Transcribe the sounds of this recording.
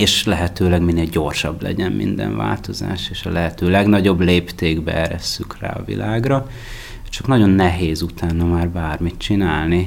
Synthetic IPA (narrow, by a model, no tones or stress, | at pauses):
eːʃlɛɦɛt̪øːlɛɡminːeːlɟo̞rʃɒblɛ̰ɟɛnmʔḭnd̪ɛ̰nva̰ːlt̪o̞za̰ːʃeːʃɒlɛɦɛt̪øːlɛɡnɒɟo̞bleːpt̪eːɡbɛ̰ɛɾɛsːykra̰ːɒ̰vḭlaːɡrɒ | t͡ʃɒknɒɟo̞nːɛɦeːzut̪aːnɒmaːrbaːrmit̪t͡ʃinaːlni